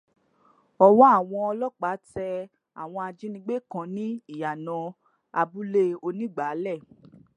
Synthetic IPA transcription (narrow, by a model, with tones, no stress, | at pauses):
ɔ˧wɔ˦a˦˨w̃ɔ̃˧ɔ˧lɔ˦k͡pa˨˦tɛ˧ | a̰˨w̃ɔ̃˧a˧d͡ʒi˦nĩ˧˦ɡ͡be˦˨kã˨˦nĩ˦i˦˨ja˨nã˧ | a˧bu˦le˦o˧nĩ˦˨ɡ͡ba˨˦lɛ˦˨